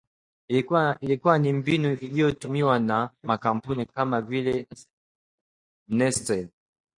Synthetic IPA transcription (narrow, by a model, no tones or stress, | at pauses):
ilikuwanimbinuʔilijoɔtumiwanamakampunikamavile | nɛstɛn